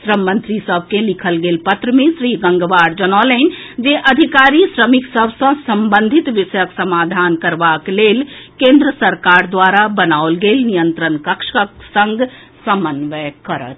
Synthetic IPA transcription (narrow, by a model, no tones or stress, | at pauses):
sɾəmːə̃nt̪ɾisəb̚ʱkelikʰəlɡeːlpət̪ɾəmẽsɾiɡə̃ŋɡʋaːɾd͡ʒənalɛnd͡ʒeʔəd̪ʱikaːɾisɾəmiksəbʱsə̃səmbənd̪ʱit̪ʋiʃəjəksəmaːd̪ʱankəɾbakleːlkẽnd̪ɾəsəɾkaɾd̪ʋaɾabənaolɡelnijənt̪ɾənkəkʃəksə̃ŋɡ | səmənʋəkəɾə̰t̪ʰ